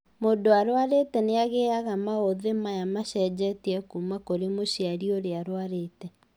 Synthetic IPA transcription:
mondoaɾwaɾetɛneaɣeaɣamaoðemajamaɕɛd͡ʑɛtiɛkumakoɾemoɕeaɾioɾeaɾwaɾeːtɛ

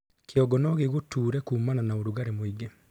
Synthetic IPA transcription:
kjɔɡɔnɔɣeɣotuːɾɛkuːmananaoɾuɣaɾemoiɡe

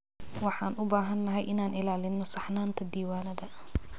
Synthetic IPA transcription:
wɑħɑːnʔʊbaːɦɐnːɐɦɛjʔɪnaːnʔɪlaːlɪnːɔsɑħnaːnt̪ʰɐd̪iːwaːnɐd̪ɐ

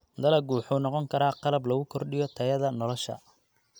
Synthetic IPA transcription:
d̪ɐlɐɡuːħunɔqɔŋkʰɐɾaːqɑlɐblɐɣʊkʰɔrɖɪjɔt̪ʰɐjɐðɐnɔlɔʃɐ̰

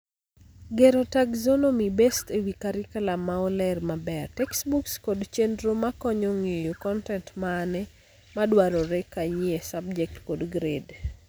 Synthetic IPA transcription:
ɡeɾotaɡzonomibestewikaɾɪkalamaɔlɛrmabɛrtɛksbukskodt͡ʃendɾomakɔɲoŋejokɔntɛntmaːnɛ | madwaɾɔɾɛkajiesab̚d͡ʒɛk̚tkodɡɾed

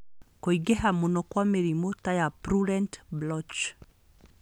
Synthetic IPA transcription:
koiɡɛɦamonɔkwameɾimotajapɾuɾɛntblɔt͡ʃ

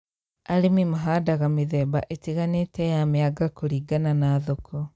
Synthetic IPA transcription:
aɾemimaɦadaɣamiðɛbaʔetiɣanetɛjameaɡakoɾiːɡananaðokʰɔ

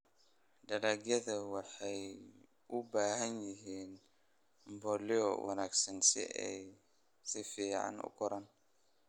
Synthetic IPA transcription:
ɖɐɾaɡjɐðɐwɑħɑj | ʔʊbaːɦɐnjɪɦiːn | mbɔlɪɔ̰wʔɐ̰naːɡsɐnsɪ̰ɛj | sɪfiːʕɑ̰nʊ̰kʰʊɾɐn

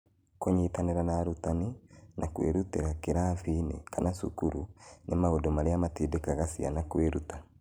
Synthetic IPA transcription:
koɲitaneɾanaːɾutaninʔakwḛɾuteɾakeɾaviːnḛkanasṵkuɾunʔemaodomaɾeamatidekaɣasia̰nakweɾuta

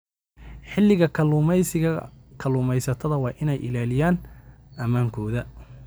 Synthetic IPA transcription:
ħɪlːɪɣɐkʰɐlʊmɛjsɪɣɐkʰɐlʊːmɛjsɐt̪ʰɐðɐwɑːʔɪnɛjʔɪ̰laːlɪjaːn | ʔɐmaːŋkʰɔːðɐ

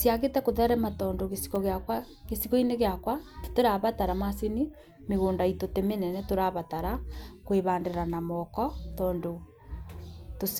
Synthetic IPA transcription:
sjaɣetɛkoðɛɾɛmatɔːndoɣesi̥ɣɔɣeakwa | kesiɣɔineɣeakwatoɾaβataɾamaseni | meɣoːndaitotemenɛnɛtoɾaβataɾakweβaːndeɾanamɔkɔtɔːndo | to

